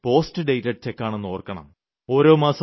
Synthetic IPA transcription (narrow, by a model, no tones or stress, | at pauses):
po̞ːstɨɖejtɐt͡ɕekːaːɳenːoːrkɐɳɐ̰m | o̞ːɾo̞ːmaːsɐ